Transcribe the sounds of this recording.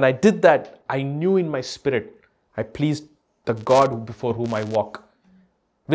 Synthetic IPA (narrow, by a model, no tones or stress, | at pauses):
ɛ̃naɪɖɪd̪̚d̪æʈʔaɪnjuːɪ̃nmaɪspɪɾɪʈ̚ | aɪpʰliːz | d̪̥əɡɔːɖbɪfɔːɾɦũːmaɪʋɔːk | ʋɪ